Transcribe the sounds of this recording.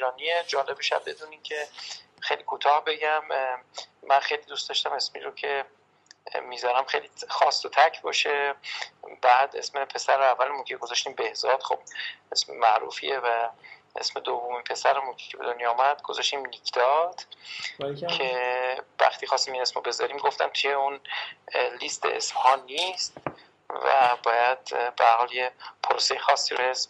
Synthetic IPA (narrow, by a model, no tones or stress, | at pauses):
iɾɒːnied͡ʒɒːlebeʃæ̰d̪̚be̞d̪uːniːmcʰe | xejliːkʰuːt̪ʰɒːhbe̞ɟæmː | ænxejliːd̪uːst̪ɒʃt̪æme̞smḭːɾocʰe̞ | miːzɒɾæmxejlixɒːst̪ot̪ʰæcʰbɒːʃe | bæːd̪ḛsmepʰe̞sæɾævːælemuncʰeɡo̞zɒʃt̪iːmbehzɒːd̪̥χo̞b̚ʔesmemæʔɾṵːfḭevæʔe̞̰sme̞d̪ovːomiːnpʰe̞sæɾemunkʰe̥cʰebe̞d̪onjɒːumæd̪̥ɡo̞zɒʃt̪iːmnikʰd̪̥ɒt̪ʰ | kʰevæ̰xt̪ʰiːxɒst̪iːminesmobe̞zɒ̰ɾiːmɡo̞ft̪æmt̪ʰujeun | liːst̪ʰḛʔḛsmhɒːnist̪ | væ̰bɒːjæd̪̥̚behæɾhɒljepʰoɾosejexɒːsːiːɾoesm